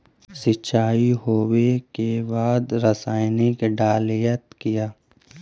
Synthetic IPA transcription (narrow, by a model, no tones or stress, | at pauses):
sɪt͡ʃʰaːiɦoːwekebaːd̪ɾəsaːɪnɪkɖaːlijət̪kijaː